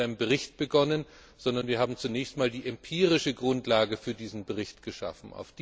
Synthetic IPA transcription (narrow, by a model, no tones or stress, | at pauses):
aɪnəmbəʁɪçt̚b̥əɡɔnən | z̥ɔndɐnviːɐɦaːbm̩t͡sunɛːçstmaːldiːʔɛmpʰiːʁɪʃəɡʁʊntlaːɡəfyːɐdiːzn̩bəʁ̞ɪçtɡ̥əʃa̰fn̩a̰ʊfd̥